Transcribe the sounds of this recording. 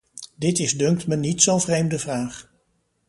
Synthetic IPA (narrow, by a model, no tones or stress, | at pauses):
dɪtɪzdɵŋktmənitsowvrejmdəvraːχ